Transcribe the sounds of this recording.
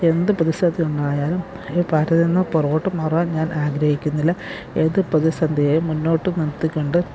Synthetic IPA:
e̞nd̪ɨprɐðisɐnd̪ʱijuɳɖaːjaːlum | eːpaːɾɐðinːɐporoːʈːɨmɐrɐaːnɲaːnʔaːɡɾɐhikʲːunːilːɐ | eðɨprɐðisɐnd̪ʱijeːjumːunːo̞ːʈːɨnɐt̪ːikʲːoɳɖɨ

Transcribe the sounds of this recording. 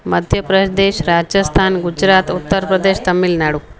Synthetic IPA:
məd̪ʱjəpɾəʃd̪eʃɾad͡ʒəst̪ʰaːnɡud͡ʒɾat̪ut̪ːəɾpɾəd̪eʃt̪ɐmːilnaɽu

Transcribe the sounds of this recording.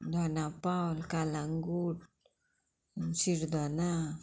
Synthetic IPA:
doanapawlkalaŋɡud̚ | nsiɾd̪ana

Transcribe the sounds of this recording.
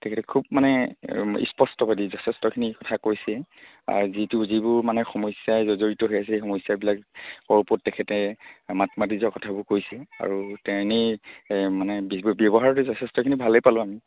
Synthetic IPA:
tɛkʰɛtɛkʰub̚manɛḭspɔstɔbadizɔtʰɛstɔkʰinikɔtʰakojsɛ | a̰ɹzituzibʊɹmanɛxɔmɔjsjajzɔzoɹitɔɦojas̬exɔmɔsjabilakkɔɹpɔtːɛkʰɛtɛmatmadizɔkɔtʰabʊɹkojsɛa̰ɹutɛni | manɛbibjɔbɔɦaɹɔtɛzɔtʰɛstɔkʰinibʱalejpalʊ̃ami

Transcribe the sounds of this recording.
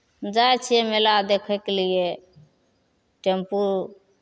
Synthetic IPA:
d͡ʒaet͡ʃʰijemelad̪ekʰəkelie | ʈempuɾ

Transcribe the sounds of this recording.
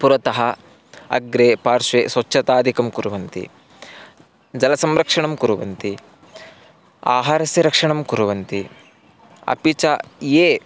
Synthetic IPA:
puɾɐt̪ɐɦɐ | ɐ̰ɡɾeːpaːɾʃʋeːsʋɐʃʰɐt̪aːd̪ʱikɐmkuɾuʋɐnt̪ḭ | d͡ʒɐlɐsɐmɾɐkʂɐɳɐmkuɾuʋɐnt̪i | a̰ːɦaːɾɐsjiɾɐkʂɐɳɐmkuɾuʋɐnt̪i | ɐ̰pit͡ʃɐjeː

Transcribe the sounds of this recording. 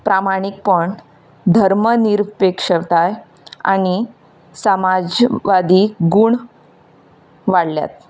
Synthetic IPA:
pɾamaɽ̃ik̚pəɳ | d̪ʱəɾməniɾpekʂəʋt̪aj | a̰ɽ̃i | səmad͡ʑʋad̪iːɡuːɳ | ʋaɽlja̰t̪

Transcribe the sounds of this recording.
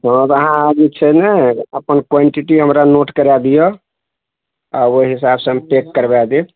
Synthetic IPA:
ɦɔ̃t̪əɦãaɡit͡ʃʰɛnɛəpənkweɳʈiʈiɦəmɾanoʈkəɾad̪ijə | aoɦisabsə̃ɦəmpekːəɾbɛd̪it̪

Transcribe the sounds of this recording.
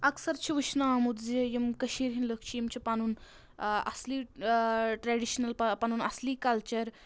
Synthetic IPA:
ɐksɐɾt͡ʃʰiʋiʃnaamud̪zejɐmkɐʃiːɾɦinləkʰt͡ʃʰijemt͡ɕʰipanuːn | ɐ̰sli | ʈɾɛːɖiʃnɐlppanuːnɐ̰sliːkɐlt͡ʃɐɾ

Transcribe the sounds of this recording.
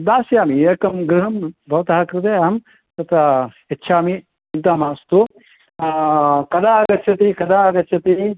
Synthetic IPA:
d̪aːsjaːmiekɐmɡɾɨɦɐmbʱɐʋɐt̪aɦɐkɾɨt̪̬ejɐɦɐm | t̪ɐt̪ɐ | ɐtːt͡ʃʰaːmi | ɐnt̪aːmaːst̪u | kɐd̪aːɡɐtːt͡ʃʰɐt̪ikɐd̪aːɡɐtt͡ʃʰɐt̪i

